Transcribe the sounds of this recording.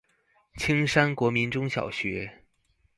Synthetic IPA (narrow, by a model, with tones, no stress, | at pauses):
t͡ɕʰi˥ŋʂa˥nkwɔ˧˥mi˧˥nʈ͡ʂʊ˥ŋɕjɑ̰˨˩ʊɕɥɛ˧˥